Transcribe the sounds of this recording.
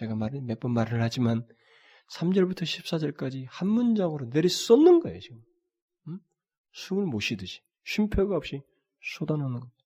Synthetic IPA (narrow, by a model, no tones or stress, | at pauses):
t͡ɕe̞ɡamaɾɯmep͈ʌnmaɾɯɭhad͡ʑiman | sʰamd͡ʑʌɭbutʰʌɕʰip̚s͈ad͡ʑʌɭk͈ad͡ʑihanmund͡ʑaŋɯɾone̞ɾis͈ʌnːɯnɡʌeot͡ɕiɡɯm | sʰumɯɭmoɕʰidɯɕʰi̥ | ɕʰimpʰjoɡaɦʌp̚ɕ͈i | sʰodanʌnɯnɡʌ